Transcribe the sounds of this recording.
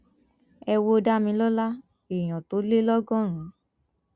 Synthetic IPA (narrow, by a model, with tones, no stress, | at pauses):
ɛ˧wo˦da˦mĩ˧˦lɔ˦la˦ | i˨j̃ɔ̃˨to˨˦le˦lɔ˦ɡɔ̃˦˨ɾ̃ũ˨˦